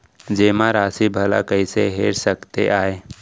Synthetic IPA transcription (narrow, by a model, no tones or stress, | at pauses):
d͡ʒeːmãɾaːsibʱɐla̰kəiseɦeːɾsəkt̪ḛʔaːeː